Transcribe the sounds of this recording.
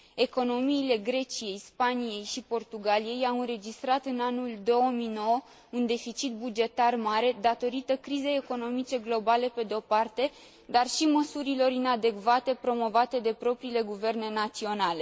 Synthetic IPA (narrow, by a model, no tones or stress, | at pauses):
e̞ko̞no̞miːle̞ɡɾe̞t͡ʃije̞jspanije̞jʃipo̞rt̪uɡalije̞jawɨnɾe̞d͡ʒist̪ɾat̪ɨnanuld̪o̞omijno̞wə | und̪e̞fit͡ʃit̪̚bud͡ʒe̞t̪armaɾe̞d̪at̪o̞ɾit̪əkɾize̞jeko̞no̞mit͡ʃe̞ɡlo̞bale̞pe̞d̪eo̞part̪e̞ | d̪arʃiməsuɾilo̞ɾinad̪e̞kvat̪e̞pɾo̞mo̞vat̪e̞d̪e̞pɾo̞pɾiːle̞ɡuve̞rne̞nat̪sio̞nale̞